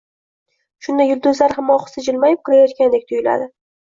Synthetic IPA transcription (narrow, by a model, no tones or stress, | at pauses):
ʃʊnd̪ajːʊlˠd̪ʊzlaɾhamːɒχʊ̥sɪd͡ʒɪlmajɪp̚kʰʊɾajɒt̪̚kʲand̪ek̚ʲt̪ʰʊjɪla̰d̪ɪ